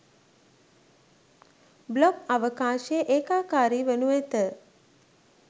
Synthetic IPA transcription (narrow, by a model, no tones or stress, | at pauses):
blɔkaʋəkaːʃejəʔeːkaːkaːɾiːʋenuet̪ə